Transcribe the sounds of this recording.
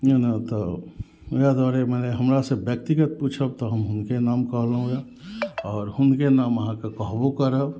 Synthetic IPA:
enat̪ɔ | jad̪aɾemɛneɦəmɾasebjək̚t̪iɡət̪̚put͡ʃʰəb̚t̪ɔɦəmɦʊnkenamkəɦlɦũe | ɔːɾhʊnkenaːməɦãkekəɦbokəɾəb

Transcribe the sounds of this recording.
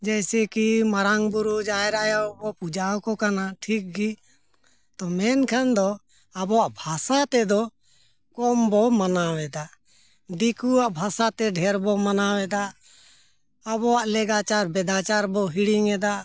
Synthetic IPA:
d͡ʒɛjsɛkimaɾaŋbuɾud͡ʒaɛɾajabɔpud͡ʒawkɔkanaʈʰik̚ɡi | t̪ɔmɛnkʰand̪ɔ | abɔwaʔbʱasat̪ɛd̪ɔ | kɔmbɔmanawɛd̪a | d̪ikuaʔbʱasat̪ɛɖʱɛɾbɔmanawɛd̪a | abɔwaʔlɛɡat͡ʃaɾbɛd̪at͡ʃaɾbɔɦiɽiŋɛd̪aʔ

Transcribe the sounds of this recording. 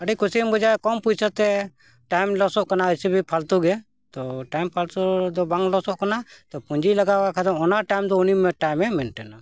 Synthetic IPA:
əɖikusimbɔd͡ʒakɔmpud͡ʒt͡ʃʰɔt̪ɛ | ʈajmlɔsɔʔkanaəsibʱipʰalt̪uɡɛ | t̪ɔʈajmpʰalt̪ud̪ɔbaŋlɔsɔʔkanat̪ɔpuɲd͡ʒiləɡakakʰat̪ɔmɔnaʈajmd̪ɔunimɛʈajmːɛmɛnʈɛna

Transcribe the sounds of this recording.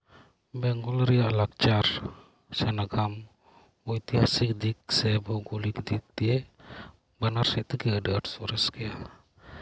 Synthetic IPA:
bɛŋɡɔlɾɛjaʔlak̚t͡ʃaɾ | sɛnaɡam | ujt̪iɦasik̚d̪ik̚sɛbɔɡulikd̪ik̚t̪ijɛʔ | banaɾsɛt̪əkɛəɖəaʈsɔɾɛskɛja

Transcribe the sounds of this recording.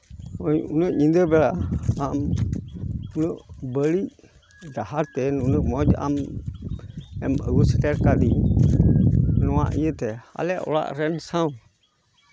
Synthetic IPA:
ounəɲindəbɛlaam | unəbəli | dahaɾtɛnunəmɔd͡ʒa̰m | ɛmə̰ɡusətɛɾkadi | nwã̰ʔjətɛa̰lɛʔṵla̰ʔɾɛnsãũ

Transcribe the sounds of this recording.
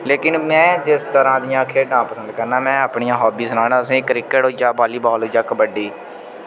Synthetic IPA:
leːkɪnmɛ̃ːd͡ʒɪst̪əɾãːd̪ɪjãːkʰeːɖãːpəsə̃nd̪kəɾnaːmɛ̃ːaːpɳɪjãːɦɔːbiːsənaːɽaːt̪ʊsẽːkːɾɪkːəʈɦoːid͡ʒaːbaːliːbaːlɦoːd͡ʒaːkəbəɖiː

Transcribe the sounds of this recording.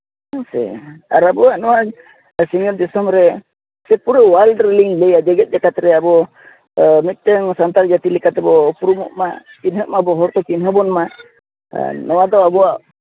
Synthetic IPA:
sɛ̰aɾabɔaʔnɔwa | siŋɔɾd̪ɛsɔmɾɛ | sɛt̪̚puɾɛwalɖɾliŋlɛjad͡ʒɛɡɛt̪̚d͡ʒakat̪ɾɛabɔ | mɛt̪̚t̪ɛŋsant̪aɾd͡ʒat̪ilɛkat̪ɛbɔpuɾumɔʔmakinɦəʔmabɔɦɔɾt̪ɔkinɦəbɔnma̰ | nɔwad̪ɔabɔaʔ

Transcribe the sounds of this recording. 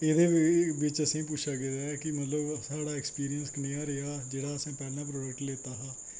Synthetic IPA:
eːd̪eːʋɪt͡ʃəsĩːp̬ʊt͡ʃʰaːɡeːdaːkɪmət̪ləbsaːɽaːɛkspiːɾijənskəneːãːɾeaːd͡ʒeːɽaːəsãːpɛːnaːp̬ɾoːɖək̚ʈleːt̪aːɦãː

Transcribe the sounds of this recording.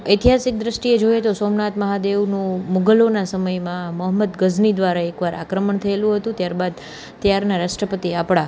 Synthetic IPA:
əjt̪iɦasɪk̚d̪ɾəʃʈied͡ʒojet̪osomnat̪məɦad̪eʋnũmʊɡəlonasəməjmãməɦəməd̪ɡəznid̪ʋaɾaekʋaɾʔa̰kɾəməɳt̪ʰəelũɦət̪ũt̪jaɾbad̪̚ | t̪jaɾnaɾaʃʈɾəpət̪iapɭa

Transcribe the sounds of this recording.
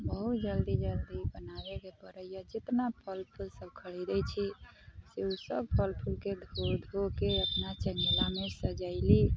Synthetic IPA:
bəɦut̪d͡ʒəld̪id͡ʒəld̪ibənabekebəɾəjjad͡ʒit̪napʰəlpʰulsəbkʰəɽid̪ɛjt͡ʃʰiseusəb̚pʰəlpʰulked̪ʱoɾd̪ʱokeəpnat͡ʃəŋɡelamesəd͡ʒaɪli

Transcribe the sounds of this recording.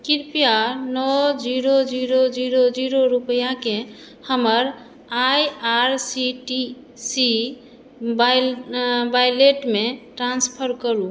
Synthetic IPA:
kiɾpijanɔd͡ʒiɾod͡ʒiɾod͡ʒiɾod͡ʒiɾoɾupəjake | həməɾ | ajaɾsiʈi | si | ba | bajleʈmeʈɾanspʰəɾkəlũ

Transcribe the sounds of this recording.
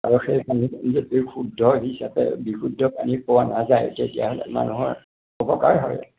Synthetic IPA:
aɹuxejpanizetukʰudʱːɔɦisapɛ̰bikʰudʱːɔpanipowanazajtetija̰ɦɔlɛ̰ma̰nuɦɔɹ | ɔpɔkaɹɦɔ̰j

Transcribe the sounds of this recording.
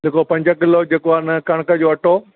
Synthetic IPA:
lɪkopɐ̃ɲd͡ʑəkɪlod͡ʑeːkoanɐkɐɽ̃kəd͡ʑoːɐʈʰo

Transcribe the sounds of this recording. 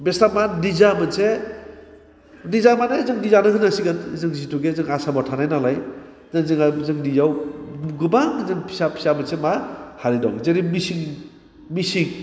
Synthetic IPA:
bestamadizamɯnse | dizamanezɯŋdizanɯɦɯnasiɡɯnzɯŋzitʰuɡezɯŋasabɔtʰanajnalaj | zɯŋzɯŋazɯŋnizawɡɯbaŋzɯŋpʰi̥sapʰi̥samɯnsemahaɾida̰wzeɾimisiŋ | misiŋ

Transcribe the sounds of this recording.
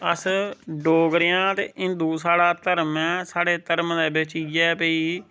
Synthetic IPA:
əsɖoːɡɾjãːt̪ḛːʔɪ̃nd̪uːsaːɽaːt̪əɾmɛ̃ːsaːɽeːt̪əɾmd̪ɛːbet͡ʃid͡ʒɛːpəiː

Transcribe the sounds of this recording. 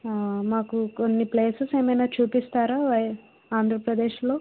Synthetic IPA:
maːkukonːipleːsɐse̞ːmɐjnaːt͡ʃuːpist̪aːɾaːʋɐj | aːnd̪ʱɾɐpɾɐd̪eːʃlo̞ː

